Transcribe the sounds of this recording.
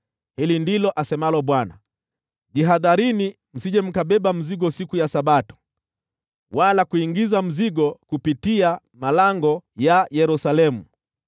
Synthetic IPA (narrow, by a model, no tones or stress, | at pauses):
hilindilɔʔasɛmalɔɓwana̰ | ʄiɦaðaɾini | m̩siʄɛm̩kaɓɛɓam̩ziɡɔsikujasaɓatɔ̥ | walakuiŋɡizam̩ziɡɔkupitia | malaŋɡɔjajɛɾusalɛmu